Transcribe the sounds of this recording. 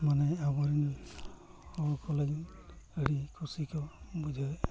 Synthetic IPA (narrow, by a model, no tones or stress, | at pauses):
manɛabɔɾin | hɔkʰɔlaɡeɽikʰusikʰɔbud͡ʒʱɔ